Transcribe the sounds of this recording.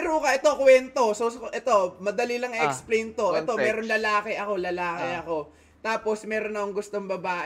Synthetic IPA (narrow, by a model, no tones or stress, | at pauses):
ɾukɐʔɛt̪o̞kwɛnt̪o̞sosʔɛt̪o̞mɐd̪ɐlilɐŋiʔɛksplɛjnt̪o̞ʔɛt̪omɛːɾonlɐlaːkɪʔɐko̞lɐlaːkɪʔɐko̞ | t̪aːpo̞smɛːɾonɐoŋɡʊst̪o̞ŋbɐbaːʔ